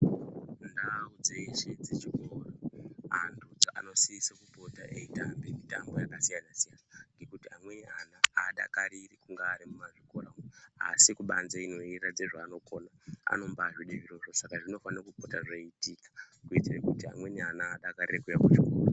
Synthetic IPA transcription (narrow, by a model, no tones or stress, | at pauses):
ndaud͡ze̞ʃe̞d͡zet͡ʃikoːroantʰud͡zaʔa̰no̞siisakupo̞taʔeitambemita̰mbo̞jakasijanasijanaŋɡe̞kutiamwe̞nianaaɗa̰kaɾirikuŋɡaːɾimumaʐiko̞raunea̰sikuɓanzeino̞irad͡ze̞ʐaːno̞ko̞naa̰no̞mbaʐiɗiʋiroʐosakaʐino̞fanakupo̞taʐaitikḁkuitirekutia̰mwe̞nianaːɗakarirekujakut͡ʃura